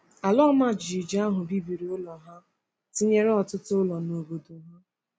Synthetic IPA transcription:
a˨lɔ˦ma˦˨d͡ʒi˨i˨d͡ʒa˦ɦʊ˨bi˦bi˨ɾi˨ʊ˦lɔ˨ɦa˦ | ti˦ɲe˦ɾe˦ɔ˨tʊ˦tʊ˦ʊ˦lɔ˨no˨bo˨do˨ɦa˦

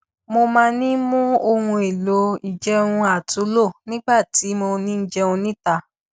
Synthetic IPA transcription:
mo˧mãː˦˧˦nĩ˦mũ˦o˧hũ˧e˨lo˨˦i˨d͡ʒɛ˦ũ˧a˨tu˨˦lo˦˨nĩ˦ɡ͡ba˦˨ti˨˦mo˧nĩ˦n̩˦d͡ʒɛ˧ũ˧nĩ˦ta˧

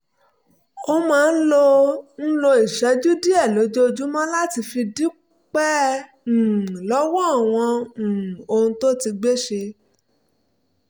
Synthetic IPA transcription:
o˧mãː˦˧n̩˦lo˧n̩˦lo˧i˨ʃɛ˨˦d͡ʒu˦di˦ɛ˦˨lo˨˦d͡ʒo˦˧d͡ʒu˦mɔ̃˦la˦ti˧fi˧di˦ | k͡pɛ̃˦˨ | lɔ˦wɔ˦˨w̃ɔ̃˧˨ | o˧hũ˧to˦ti˧ɡ͡be˦ʃe˧

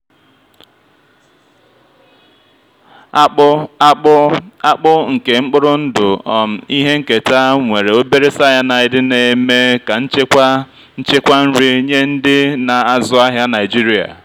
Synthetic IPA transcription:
a˦k͡pʊ˦ŋ̩˨ke˨ŋ͡m̩˦k͡pʊ˦ɾʊ˦n̩˦dʊ˨m̩˨i˦ɦe˦ŋ̩˦ke˨ta˦ŋʷe˨ɾe˨o˦be˦ɾe˦sa˦ja˦na˨ɪ˨dɪ˦ne˨me˦ka˨n̩˦t͡ʃe˦ | n̩˦t͡ʃe˦kʷa˦n̩˦ɾɪ˦ɲe˦n̩˦dɪ˦na˨a˨zʊ˦a˦ɦja˦na˨ɪ˨d͡ʒi˦ɾi˦a̰˨

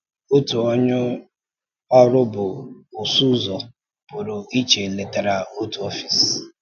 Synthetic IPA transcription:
o˦tu˨ɔ˦ɲʊ˦ | ɔ˦ɾʊ˦bʊ˨ʊ˨su˦zɔ˨ | pʊ˨ɾʊ˨i˦t͡ʃe˨le˨ta˨ɾa˨o˦tu˨ɔ˦fi˨s

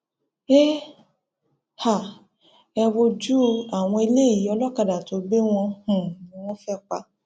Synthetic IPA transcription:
e˦ | ha˨ | ɛ˧wo˧d͡ʒu˦a˨w̃ɔ̃˧e˧le˦˨ji˨˦ɔ˧lɔ˦ka˨da˨to˨˦ɡ͡be˦w̃ɔ̃˧hũ˨nĩ˨˦w̃ɔ̃˦fɛ˦k͡pa˧

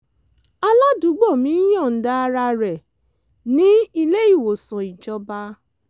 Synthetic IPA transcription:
a˧la˦du˨˦ɡ͡bɔ˦˨mĩ˨˦j̃ɔ̃˦˨n̩˨˦da˦a˧ɾa˧ɾɛ˨ | nĩ˨˦i˦˧le˦i˦˨wo˨sã˨i˨d͡ʒɔ˧ba˧˦

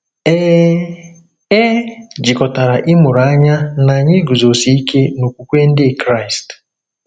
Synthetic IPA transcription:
e˦d͡ʒi˨kɔ˨ta˨ɾa˨ʔɪ˦mʊ˨ɾa˦ɲa˦na˨ɲɪ˦ɡu˨zo˨si˦i˦ke˦no˨kʷu˨kʷe˦n̩˦dɪ˦˨kɾa˦˨i˨st

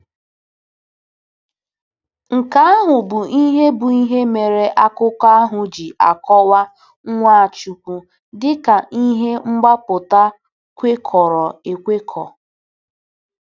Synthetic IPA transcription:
ŋ̩˨ka˦a˦ɦʊ˨bʊ˨i˦ɦe˦bʊ˨i˦ɦe˦me˨ɾe˨ʔa˦kʊ˦ka˦a˦ɦʊ˨d͡ʒi˨ʔa̰˨kɔ˦wa˦ | ŋ̩˦ŋʷa˦a˨t͡ʃu˨kʷu˨ | dɪ˦ka˨ʔi˦ɦe˦ŋ͡m̩˦ɡ͡ba˦pʊ˨ta˦ | kʷe˦kʰɔ˨ɾɔ˨e˨kʷe˦kʰɔ̰˨

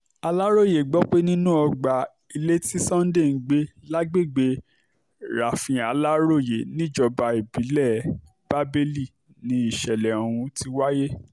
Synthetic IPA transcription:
a˧la˦ɾo˦˨je˨ɡ͡bɔ˨˦k͡pe˦nĩ˦nũ˦ɔ˧ɡ͡ba˨ | i˧le˦ti˦sɔ̃˦n̩˦de˦˨n̩˨˦ɡ͡be˦la˦ɡ͡be˦˨ɡ͡be˧ | ɾa˨fĩ˧a˧la˦ɾo˦˨je˨nĩ˦d͡ʒɔ˧ba˧i˨bi˨˦lɛ˦˨ | b̥a˦be˦li˦˨ | nĩ˨˦i˦˨ʃɛ˨lɛ˨o˨ɾ̃ũ˧ti˧wa˦je˦

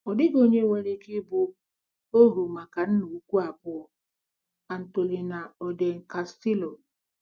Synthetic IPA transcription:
ɔ˨dɪ˦ɡo˦ɲe˦we˦ɾi˦ki˦bʊ˦ | o˦ɾu˨ma˨ka˨n̩˦nu˨˦kʷu˦a˨bʊ˦ɔ˦ | a˨n̩˨to˨li˨na˨ɔ˨de˨ŋ̩˨ka˨sti˦lo˨

